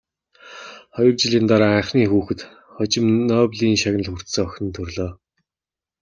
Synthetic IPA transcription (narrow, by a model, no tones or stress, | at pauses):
χɔjɞ̆rt͡ɕɪ̆ɮiːnt̪aɾaːaɴχniːxuːxɘ̆t̪ | χɔt͡ɕɪ̆mnœːpɮiːŋʃaɣnə̆ɮxur̥t̪sɘ̆ŋɔxʲɞ̆nt̪ʰɵrɮɔː